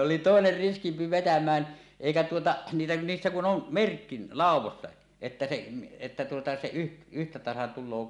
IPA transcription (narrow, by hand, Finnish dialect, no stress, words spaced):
oli toˑener riskimpi ʋetæmˑæːn eˑikæ tuotɑʔ niːlːe niːsːæ kun on merkːi lɑˑuwˑostɑ etːæ se etːæ tuotɑ se yh yhtæ tɑsɑn tulˑoː